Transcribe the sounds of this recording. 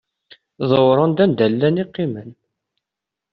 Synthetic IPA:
ðˤəwɾˤənd̪ænd̪ælːæniqːimən

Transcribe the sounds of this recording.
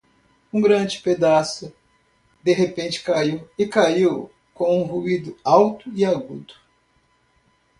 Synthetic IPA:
ũɡɾɐ̃d͡ʒɪped̪asʊ | d̪eɦepẽnt͡ʃɪ̥kaiwɪkaiw | kõw̃ũɦuid̪ʊawt̪ʊɪaɡud̪ʊ

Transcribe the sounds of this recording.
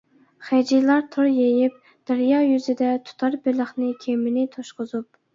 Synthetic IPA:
χæd͡ʒijlˠɑɾt̪ʰoɾjejɪp̚ | d̪̥ɛɾjɑjyzɪd̪ɛt̪ʰu̥t̪ʰɑɾbɪləχnɪkʲʰemɪnɪt̪ʰoʃqʊzup̚

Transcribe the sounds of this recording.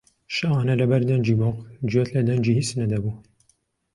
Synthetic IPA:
ʃɨɑːnɐlɐbɐɾd̪ɐnd͡ʒiːmoqd͡ʒet̪lɐd̪ɐnd͡ʒiːhit͡snɐd̪ɐbuː

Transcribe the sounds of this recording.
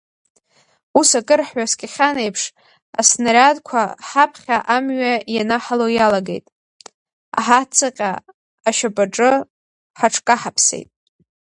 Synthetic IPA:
usakʼɨrħɥaskʲʼɪχʲanejpʰʂ | a̰snaɾʲadkʷʰaħapʰχʲaʔamɥajanaħalojalaɡḛjtʼ | a̰ħat͡sʰɨqʲʼa | aʃabʼaʈ͡ʂʼɨ | ħaʈ͡ʂʰkʼaħapʰsḛjtʼ

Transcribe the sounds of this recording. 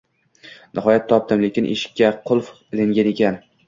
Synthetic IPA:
nɪɦɒjat̪ʰːɒp̚t̪ʰɪmlekʲɪnʔeʃɪ̥kʲːaqʰʊlˠf | ɪlɪŋɡʲane̞kʲʰan

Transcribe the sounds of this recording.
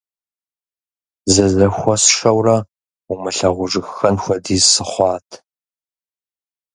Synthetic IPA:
zɐzɐxʷɔsʂɐwrɐ | umɨɬɐʁʷʊʐɨxxɐnxʷɔdiːzsɨχʷɑːtʰ

